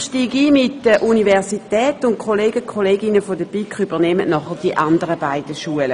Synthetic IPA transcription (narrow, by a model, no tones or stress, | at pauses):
ʃtiːɡiːmɪtdəʔunivɛʁsitɛːtʊntkχoleːɡəkʰχoleːɡɪnəfodəpikχybəʁnɛməʔnɔχəd̥iʔandəʁəbaɪd̥əʃuələ